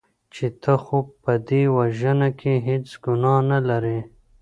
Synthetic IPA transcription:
t͡ʃet̪ʰəxopəd̪ewaʒənakʰeɦet͡sɡʊnɑnalaɾe

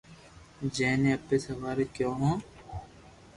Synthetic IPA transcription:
d͡ʒeːneːɐpːeːsɐʋaːɾeːkjõːɦõː

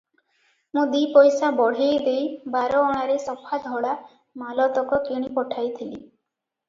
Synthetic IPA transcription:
mũd̪ipɔjsabɔɽ̤ejd̪ejbaɾɔːɽ̃aɾesɔpʰad̪ʱɔɽa | malɔt̪ɔkɔkiɽ̃ipɔʈʰajt̪ʰilḭ

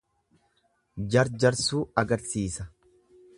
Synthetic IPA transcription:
d͡ʒɐɾd͡ʒɐɾsuːɐɡɐɾsiːsɐ

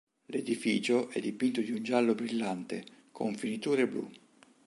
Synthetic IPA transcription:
led̪ifḭːt͡ʃoʔɛd̪ːipint̪od̪iund͡ʒalːobɾilːant̪ekʰo̰ɱfinit̪uːɾeblṵ

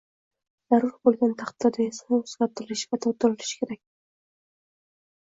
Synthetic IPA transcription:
z̥aɾʊɾbolˠɡʲant̪ʰɑχt̪ʰːad̪ajesnɑozɡʲat̪ɪlɪʃvat̪ʰɒwt̪ʊɾɪlɪʃkʲʰeɾak̚ʲ

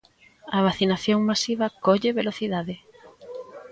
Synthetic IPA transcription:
ɐβaθinaθjoŋmasiβɐkoʎeβeloθiðaðɪ

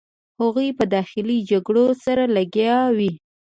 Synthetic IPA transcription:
haɣujpəd̪ɑxɪlid͡ʒaɡɽosaɾalaɡjɑwi

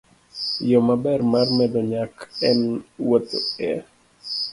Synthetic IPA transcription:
jɔmabɛrmarmɛdɔɲakɛnwot̪oɛ

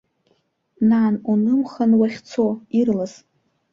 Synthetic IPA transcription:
naːnunɨmχanwaχʲt͡sʰoirlas

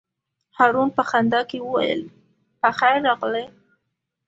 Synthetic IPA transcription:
hɑɾunpəxand̪ɑkewəwa̰jə̰l | pəxajɾːɑɣle

